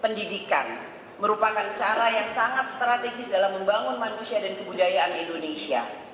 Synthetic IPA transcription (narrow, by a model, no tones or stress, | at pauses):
pəndidika̰n | məɾupakant͡ʃaɾajaŋsaŋat̪̚st̪ɾat̪eɡɪsdalaməmbaŋʊnmanusiadankəbudajaʔanindonesia̰